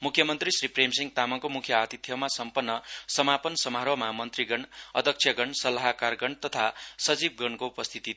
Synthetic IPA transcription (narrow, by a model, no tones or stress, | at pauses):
mukʰjʌmʌnt̪risripremsiŋt̪amʌkomukʰjʌat̪it̪ʰjʌmasʌmpʌnːʌsʌmapʌnsʌmaɾwʌmamʌnt̪riɡʌnʌd̪ʱʌk̚t͡sʰjʌɡʌɳsʌlaɦkarɡʌɳt̪ʌt̪ʰasʌd͡zib̚ɡʌnkoupʌst̪ʰit̪i